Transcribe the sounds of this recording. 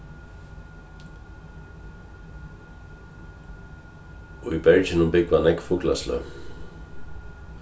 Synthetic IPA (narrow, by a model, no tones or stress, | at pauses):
ɔibɛɹcɪnʊmbɪkʋanɛkfʊklaslœ̰